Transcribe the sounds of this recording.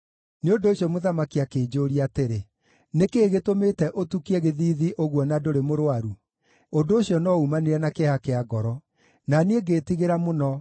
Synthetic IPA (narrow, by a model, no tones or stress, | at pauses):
neondoːɕjɔmoðamakiakeːd͡ʒoːɾiateɾe | nekeːɣetometɛʔotukiɛɣeðiːðiʔoɣwɔnadoɾemoɾowaɾu | ondoːɕjɔnɔumaneɾɛnakehakeaɡɔɾɔ | naneeɡeːtiɣeɾamonɔ